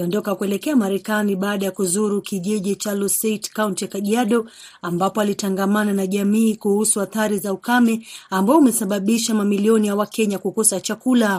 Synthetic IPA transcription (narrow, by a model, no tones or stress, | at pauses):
aliɔndɔkakuɛlɛkɛamaɾɛkaniɓaːɗajakuzuɾukiʄiʄit͡ʃalɔsɛtkauntɛkaʄiaɗɔ | ambapɔalitaŋɡamananaʄamiːkuhusuaθaɾizaukamɛambaɔumɛsaɓaɓiʃamamiliɔnijawakɛɲakukɔsat͡ʃakula